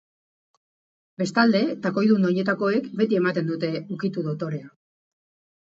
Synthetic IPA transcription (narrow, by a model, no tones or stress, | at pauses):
be̞st̪ald̪e̞t̪ako̞jðunoɲe̞t̪ako̞e̞kbe̞t̪ie̞mat̪e̞nd̪ut̪e̞ukit̪uðo̞t̪o̞ɾe̞a